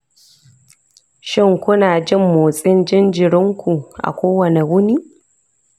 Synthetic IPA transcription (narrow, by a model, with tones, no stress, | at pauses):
ʃɪ˦ŋkʷʊ˦naː˨d͡ʒɪ˦mːoː˨sʼɪ˦nd͡ʒɪ˦nd͡ʒɪ˨ɽɪ˦ŋkʷu˨ʔa̰˨kʷoː˦wɐ˨ne˨wʊ˦niː˦